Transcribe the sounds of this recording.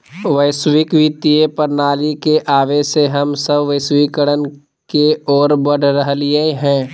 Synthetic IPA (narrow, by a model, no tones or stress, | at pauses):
ʋəɪswɪkʋit̪ijepəɾnaːlikeʔaːʋeseɦɐmsəbʋəɪswikəɽən | keɔːɾbəɽʱɾəɦlieɦɛ̃ː